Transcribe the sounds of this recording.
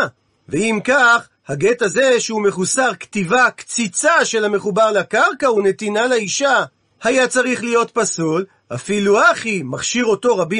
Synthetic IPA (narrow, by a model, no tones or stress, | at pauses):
veimkaχ | haɡe̞taze̞ʃeume̞χusaʁkt̪ivakt͡sit͡saʃe̞lhame̞χubaʁlakaʁkaune̞t̪inaleiʃa | hajat͡saʁiχlijo̞t̪pasul | a̰filuaχimaχʃiʁo̞to̞ʁabi